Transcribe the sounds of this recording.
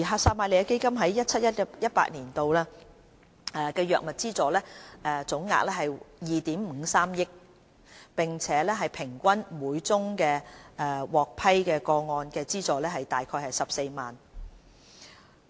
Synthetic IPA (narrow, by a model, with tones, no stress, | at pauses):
i˨˩ɦaː˨˧saː˧p̚maː˧le˨jaː˧ke˥jkɐ˥mɦɐ˨˦jːɐ˥t̚t͡sʰɐ˥t̚jɐ˥t̚jɐ˥t̚pa̰ː˧˥niː˨˩nt̪o˨wlɛː˥ | ɛ˨kɛː˧jœː˨k̚mɐ˨t̚t͡siː˥t͡sɔː˨˩lɛː˥ʔɛː˨˩t͡sʊ˨˥ŋːa̰ː˧k̚lɛː˥ɦɐ˨jjiː˨t̪iː˨˥mm̩˨˧˥saː˥mjɪ˥k̚ | pɪ˨ŋt͡sʰɛː˨˥lɛː˥ɦɐ˨jpʰɪ˨˩ŋkʷɐ˥nmuː˨˧jt͡sʊ˥ŋkɛː˧ʔɛ˧wɔː˨k̚pʰɐ˥jkɛː˧kɔː˧ŋɔː˧nkɛː˧t͡siː˥t͡sɔː˨lɛː˥ɦɐ˨jt̪aː˨jkʰɔː˧jhɐ˨jsɐ˨p̚se˧jmaː˨n